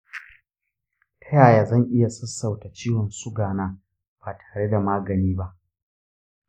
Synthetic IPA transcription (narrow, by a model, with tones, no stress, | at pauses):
tʰɐ˦jaː˨jaː˨zɐ˦˨ŋʔɪ˦ja˨sɐ˦sːɐ˨wta˨t͡ʃiː˦wɔ˨nsʊ˦ɡaː˨naː˦ | b̥aː˨tʰḁː˨ɽe˦da˨maː˦ɡɐ˨niː˦ba˦ʔ